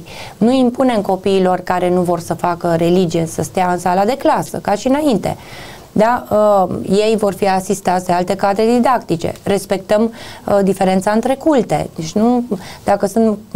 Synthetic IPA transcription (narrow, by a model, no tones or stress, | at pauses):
nuimpune̞mko̞piːlo̞rkaɾe̞nuvo̞rsəfakəɾe̞lid͡ʒije̞səst̪eaɨnsalad̪e̞klasə̰kaʃiɨnaint̪e̞̰ | d̪a | je̞jvo̞rfiasist̪at̪sʲd̪ealt̪e̞kad̪ɾed̪id̪akt̪it͡ʃe̞̰re̞spe̞k̚t̪əmd̪ife̞ɾe̞nt̪saɨnt̪ɾe̞kult̪e̞̰d̪et͡ʃʲnud̪̥akəsɨnt̪